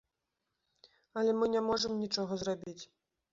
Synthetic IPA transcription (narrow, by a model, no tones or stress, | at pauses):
ɐlʲɛmɨnʲɛmɔʐəmnʲit͡ʂɔɣɐzrabʲit͡sʲ